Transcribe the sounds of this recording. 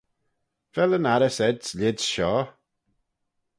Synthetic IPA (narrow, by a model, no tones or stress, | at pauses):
v̥ɛlənaɾəsɛdsʎɪdʃɔ